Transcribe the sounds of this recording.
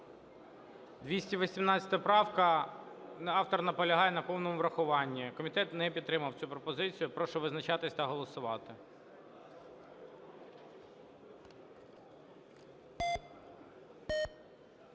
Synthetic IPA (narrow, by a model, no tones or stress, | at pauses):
d̪ʋʲisʲtʲiʋɔsʲimnɑt͡sʲɐ̥t̪ɐpɾɑwkɐ | nɑwt̪ɔrnɐpɔlʲɐɦɑjɛnɐpɔwnɔmʊʋɾɐxʊʋɑnʲːikɔmʲit̪ɛt̪nɛpʲit̪t̪ːɾɪmɐwt͡sʲupɾɔpɔzɪt͡sʲijʊpɾɔʃɛʋɪznɐt͡ʃɑt̪ɪsʲt̪ɐɦɔlˠɔsʊʋɑt̪ɪ